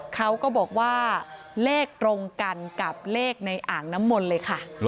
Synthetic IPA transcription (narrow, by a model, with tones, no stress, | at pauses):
kʰa˦˥wkɔː˥˩bɔː˨˩k̚waː˥˩ | leː˥˩k̚t̪ɾo˧ŋka˧nka˨˩p̚leː˥˩k̚na˧jʔaː˨˩ŋna˦˥mːo˧nlɤː˧jkʰa˥˩